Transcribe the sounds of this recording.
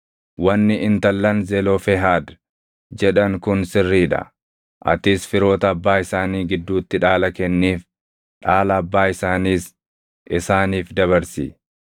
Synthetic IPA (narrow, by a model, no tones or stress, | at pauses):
wɐnːɪʔɪnt̪ɐlːɐnzɛloːfɛɦaːd̪ | d͡ʒɛᶑɐŋkʊnsɪrːiːᶑɐ̰ | ʔɐ̰t̪ɪsfɪɾo̞ːt̪ɐːbːaːɪsaːniːɡɪd̪ːuːt̪ːɪᶑaːlɐkɛnːiːf | ᶑaːlɐːbːaːɪsaːniːs | ʔɪsaːniːfd̪ɐβɐɾsḭ